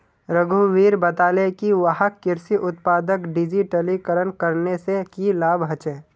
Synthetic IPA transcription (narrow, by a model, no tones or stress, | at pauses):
ɾəɡʱuʋiːɾbət̪aːlekiʋəɦəkːɪɾsiʔʊt̪paːd̪əkɖɪd͡ʒiʈəlikəɾənkəɾnesekilaːbɦɐt͡ʃẽː